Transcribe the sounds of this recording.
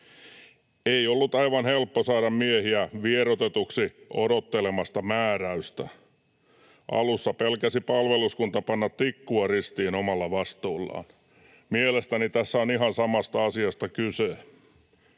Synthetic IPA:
eiolːut̪ɑiʋɑnhelpːosɑːɾɑmmiehiæʋieɾot̪et̪uksiʔo̰dot̪ːelemɑst̪ɑmæːræyst̪æ̰ | ʔɑ̰lusːɑpelkæsipɑlʋeluskunt̪ɑpɑnːɑt̪tikːuɑrist̪iːnomɑlːɑʋɑst̪uːlːɑ̰ːn | mielest̪ænit̪æsːæoniɦɑnsɑmɑst̪ɑɑsiɑst̪ɑkyse

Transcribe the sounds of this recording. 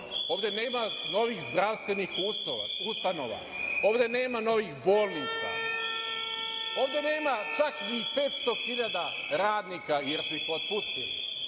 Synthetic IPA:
o̞ːʋd̪e̞neːmano̞ʋixzd̪ɾaʋst̪ʋe̞nixuust̪ano̞̰ʋa̰ | o̞ːʋd̪e̞ne̞ːmano̞ʋixbo̞ːlˠniːt̪sa̰ | o̞ːʋd̪e̞ne̞ːmat͡ʃakipe̞ːt̪st̪o̞xiʎad̪a | ɾaːd̪nikaje̞ɾsuixo̞t̪̚pust̪ḭlḭ

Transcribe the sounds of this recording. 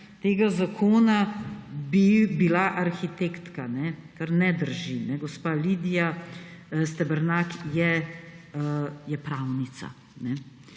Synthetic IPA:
t̪eːɡazakʰoːnabibilaʔaɾxit̪ekt̪kanɛkaɾnɛd̪əɾʒinɛɡɔspaliːd̪ija | st̪ɛbəɾnakjɛ | jɛpɾawnit̪sa̰ | nɛ

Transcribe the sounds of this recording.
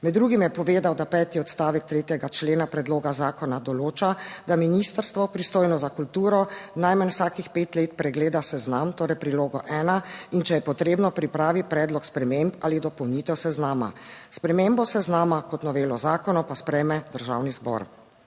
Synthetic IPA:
mɛd̪ːɾuːɡimjɛpɔʋeːd̪awd̪apɛːt̪iɔt̪st̪aːʋɛk̚t̪ɾeːt̪jɛɡat͡ʃleːnapɾɛd̪loːɡazaːkɔnad̪ɔloːt͡ʃad̪aminist̪əɾst̪ʋɔpɾist̪oːjnɔzakult̪uːɾɔnajmənwsaːkixpeːt̪leːt̪pɾɛɡleːd̪asɛznamt̪oːɾɛjpɾiloːɡɔʔɛːnaint͡ʃɛjɛpɔt̪ɾeːbnɔpɾipɾaːʋipɾɛːd̪lɔkspɾɛmempalid̪ɔpɔwniːt̪ɛwsɛznaːma̰spɾɛmembɔsɛznaːmakɔt̪nɔʋeːlɔzaːkɔnɔpaspɾɛjmɛd̪əɾʒawnizbɔ̰ɾ

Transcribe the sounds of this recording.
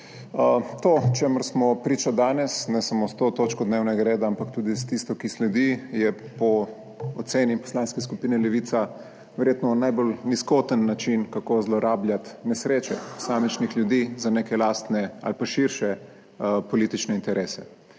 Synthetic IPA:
ət̪ot͡ʃeməɾsmɔpɾit͡ʃad̪aːnɛsnɛsamost̪oːt̪ot͡ʃkɔd̪neːwnɛɡaɾeːd̪aampakt̪uːd̪ist̪ist̪ɔkislɛd̪ijɛpɔ | ɔt̪seːnipɔ̥slanskɛskupiːnɛlɛʋiːt̪sa | ʋɛɾjet̪nɔnajbolniskot̪ənːat͡ʃinkakozlɔɾaːbljat̪nɛsɾeːt͡ʃɛ̰̥samɛt͡ʃnixlʲjud̪izaneːkɛlaːst̪nɛa̰lpaʃiɾʃɛ | pɔliːt̪it͡ʃnɛint̪ɛɾʔeːsɛ

